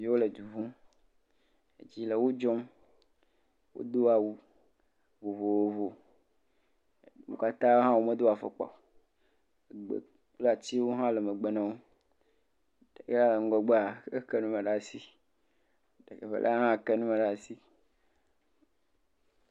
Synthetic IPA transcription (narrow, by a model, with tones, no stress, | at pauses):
i˦wo˦le˨d͡ʒu˨vũ˦ | ḛ˨d͡ʑi˦le˨wo˦d͡ʒɔ˦m | wo̰˦d̪o˦a˨wu˦ | wo˨vo˨wo˨vo˨ | wo̰˨ka˦t̪ã˦ɦã˦wo˦me˦d̪o˦a˨fḛ˨k͡pɔ̰˨ | e˨ɡ͡bḛ˨ | k͡pla˨t̪i˦wo˦ɦã˦le˨me˨ɡ͡be˨nã˦wo˦ | d̥e˨ke˦la˦˨ŋ̩˦˨ɡɔ˨ɡ͡be˦a˨ke˦ke˦nũ˦me˨ɖa˦˨si˦ | de˨ke˨ɸḛ˨lʔa̰˦ɦã˦˨ke˦nũ˦me˨ɖa˦˨si˦